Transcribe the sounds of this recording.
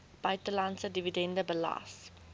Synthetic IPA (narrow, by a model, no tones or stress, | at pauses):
b̥ajtəlansədividɛ̃ndəbəla̰ːs